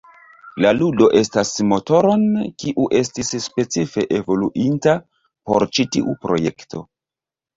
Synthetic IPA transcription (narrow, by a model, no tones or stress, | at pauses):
laludo̞ʔe̞stasmo̞to̞ɾo̞nkiʔuʔe̞stisspe̞t͡sife̞ʔevo̞luʔinta | po̞̰ɾt͡ʃitiʔupɾo̞̰je̞̰kto̞̰